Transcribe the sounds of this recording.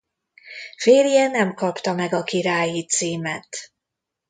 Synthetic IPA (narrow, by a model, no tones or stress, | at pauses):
feːɾjɛnɛmkɒpt̪ɒmɛɡɒkiɾaːjit̪siːmɛt̪